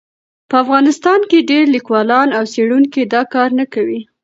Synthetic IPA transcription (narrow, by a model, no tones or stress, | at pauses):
pəafɣɑnɪst̪ɑnkeɖeɾlikwɑlɑnawseɽunked̪ɑkɑɾnakawi